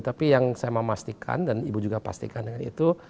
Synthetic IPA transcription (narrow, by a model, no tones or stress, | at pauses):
t̪apijaŋsajaməmast̪ikʰa̰ndanibud͡ʒuɡapa̰st̪ḭkandəŋanḭt̪u